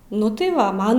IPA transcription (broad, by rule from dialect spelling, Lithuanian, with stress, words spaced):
ˈnʊ tɐɪ ˈʋɐ ˈmɐn